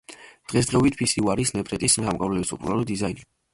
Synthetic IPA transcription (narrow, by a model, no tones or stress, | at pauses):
d̪̥ʁɛs̬d̪ʁɛɔbit̪ʰpʰisiuaɾisnɛbʰʼɾɛt̪ʼismsamkʼavlɛbisɔpʼuɾalɔd̪izaini